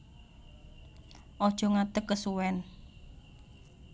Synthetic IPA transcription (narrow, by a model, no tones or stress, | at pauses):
ʔɔd̥ʒ̥ɔ̤ŋat̪əkːəsuwɛn